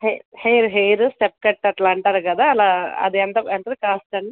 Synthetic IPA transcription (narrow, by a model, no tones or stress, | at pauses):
heheːɾɦejɾusʈep̚kɐʈːɐʈlaːɳʈaːɾukɐd̪aːlaːɐ̰d̪iɐnt̪ɐent̪ɐd̪ikaːsʈɐɳɖi